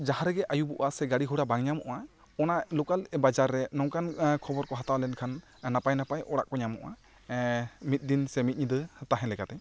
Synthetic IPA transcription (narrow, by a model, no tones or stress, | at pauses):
d͡ʒahaɾɛɡɛʔajubɔʔasɛɡaɽiɦuɽabaŋɲamɔʔa | ɔnalukalbad͡ʒaɾːɛnɔŋkankʰɔbɔɾkɔɦat̪awlɛnkʰanː | apajnapajʔɔɽa̰ʔkɔɲamɔʔa | mit̪̚ˀd̪insɛmit̪̚ɲid̪ɯt̪aɦɛ̃lɛɡat̪ɛ